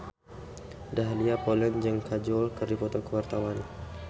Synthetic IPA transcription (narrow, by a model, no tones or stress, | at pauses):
daɦliapɔlɛnd͡ʒəŋkad͡ʒɔlkərdifɔt̪ɔkəwart̪awan